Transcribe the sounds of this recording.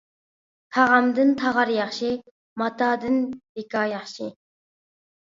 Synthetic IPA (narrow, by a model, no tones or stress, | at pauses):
t̪ʰɑʁɑmd̪ɨnt̪ʰɑʁɑɾjɑχʃi | mɑt̪ʰɑd̪ɨnbekɑːjɑχʃi